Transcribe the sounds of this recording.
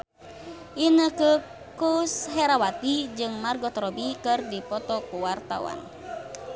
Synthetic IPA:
ʔinəkə | kusɦɛɾawat̪id͡ʒɨŋmarɡɔt̪ɾɔbikɨrdipɔt̪ɔkuwart̪a̰wa̰n

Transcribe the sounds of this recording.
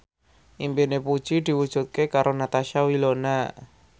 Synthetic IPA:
ʔimpinepud̥ʒ̥id̪̥i̤wud̥ʒ̥ṳt̪̚kekaɾonat̪aʃawilona

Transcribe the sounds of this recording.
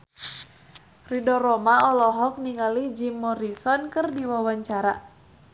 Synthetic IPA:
ridɔrɔmaɔlɔɦɔk̚niŋalid͡ʒimːɔɾisɔnkərdiwawaɲt͡ʃaɾa

